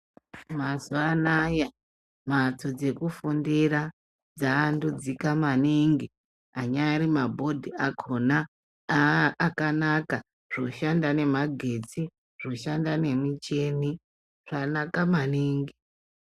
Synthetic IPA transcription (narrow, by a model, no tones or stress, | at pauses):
mazuanaja | mat͡so̞d͡ze̞kufundiɾa | d͡zaːndud͡zikamaniŋɡi | aɲaɾimabʱo̞dʱiakʰona | kanaka | ʐ̥oʃandane̞maɡʱe̞t͡si | ʐ̥oʃandane̞mit͡ʃe̞ni | ʐ̥anakamaniːŋɡi